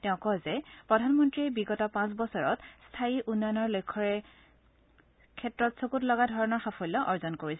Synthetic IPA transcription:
tɛ̃ʊ̃kɔzɛpɹɔdʱanmɔntɹiɛbiɡɔtɔpãs̬bɔsɔɹɔtstʰaiʔunːɔjɔnɔɹlojkʰːɔɹɛ | kʰɛtɹɔtsokutlɔɡadʱɔɹɔnɔɹxapʰɔlːɔʔɔɹzɔnkoɹisɛ

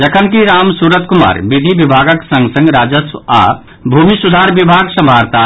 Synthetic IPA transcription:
d͡ʒəkʰənkiɾaːmsuːɾət̪kuma̰ːɾbid̪ʱibibʱaːɡəksə̃ŋɡsə̃ŋɡɾaːd͡ʒəsʋa̰ | bʱumisud̪ʱaːɾbibʱaːɡsə̃mbʱaːɾt̪a

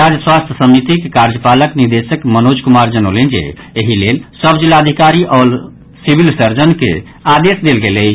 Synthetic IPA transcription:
ad͡ʒswast̪ʰjəsəmit̪ikekaɾd͡ʒəpaləkniɾd̪esəkmənod͡ʒkumaɾd͡ʒənolend͡ʒḛ | eɦilelsəbd͡ʒilːaəd̪ʱikaɾiʔɔːl | sibʱilsəɾd͡ʒənkḛ | ad̪esd̪elɡele

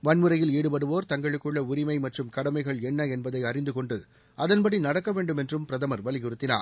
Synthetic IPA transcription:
ʋɐnmɯɾɐjɪleːɽɯpɐɽɯʋoːɾt̪ɐŋɡɐɭɯkːɯɭːɐʊɾɪmɐɪmɐʈrɯmkɐɽɐmɐɪɣɐɭɛnːɐɛnbɐðɐɪɐrɪnd̪ɯkɔɳɖɯ | ʔɐðɐnpɐɽinɐɽɐkːɐʋeːɳɖɯmɛndrɯmpɪɾɐðɐmɐɾʋɐlɪɣɯɾɯt̪ːɪna̰ː

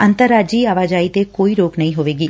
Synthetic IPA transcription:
ənt̪əɾːaːd͡ʒiːaːʋaːd͡ʒaːit̪ekoːiɾoːknɐɦĩɦoːʋeːɡiː

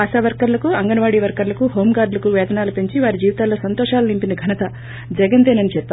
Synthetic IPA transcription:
ɐsaːʋɐɾkɐɾlɐkuɐŋɡɐnɐʋaːɽiːʋɐɾkɐɾlɐkuɦoːmɡaːɾɖ̪lɐkuʋɛːd̪ɐnaːlupeɲt͡ʃiʋaːɾid͡ʒiːʋit̪aːlo̞ːsɐnt̪ɔːʂaːlunimpinɐɡʱɐnɐt̪ɐ | d͡ʒɛɡɐnt̪eːnɐnit͡ʃɛpːaː

